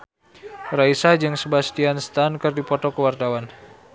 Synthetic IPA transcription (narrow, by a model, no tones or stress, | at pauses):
raisad͡ʒɨŋsəbasət̪ianst̪ankɨrdipɔt̪ɔkəwart̪awan